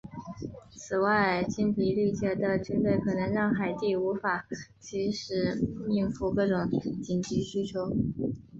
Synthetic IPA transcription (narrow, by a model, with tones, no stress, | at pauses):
t͡sʰɹ̩˨˩wa˥˧ɪt͡ɕi˥npʰi˨˩li˥˩t͡ɕjɛ˧˥d̪ə˨t͡ɕy˥npe˥˩ɪkʰɤ˨˩nɤ˧˥ŋɻɑ˥˩ŋxa˨˩ɪt̪i˥˩u˧˥fa˨˩t͡ɕʰi˧˥ʂɻ̩˧˥mi˥˧ŋfu˥˧kɤ˥˩ʈ͡ʂʊ˧˥˦ŋt͡ɕi˨˩nt͡ɕi˧˥ɕy˥t͡ɕʰjo˧˥ʊ